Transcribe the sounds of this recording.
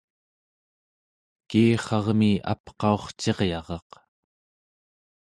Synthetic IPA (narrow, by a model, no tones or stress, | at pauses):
kiːχɑʁmia̰pqɑo̞χt͡ʃe̞ʁjɑʁɑq